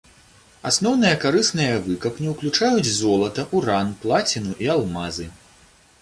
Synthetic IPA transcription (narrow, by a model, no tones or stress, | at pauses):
asnɔwnɨjɐkaɾɨsnɨjɐvɨkɐpnʲɛwklʲut͡ʂajud͡zʲzɔlˠɐt̪ɐʔuɾanplˠat͡sʲinuʔialˠmazɨ